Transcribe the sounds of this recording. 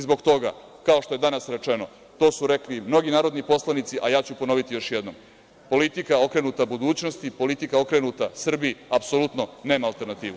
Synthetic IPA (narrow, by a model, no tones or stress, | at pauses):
izbo̞ɡt̪o̞ɡa̰kao̞ʃt̪o̞jed̪anasɾe̞t͡ʂeno̞̰ | t̪o̞ːsuɾeklimno̞ɡinaːɾo̞d̪nipo̞slˠanit̪siʔajaːt͡ɕupo̞no̞ʋit̪ijo̞ʃjed̪no̰m | po̞lit̪ikao̞kɾe̞nut̪abud̪uːt͡ɕno̞st̪ipo̞lit̪ikao̞kɾenut̪asr̩biiapsolut̪no̞ne̞ːmaːlˠt̪e̞ɾnat̪iːʋu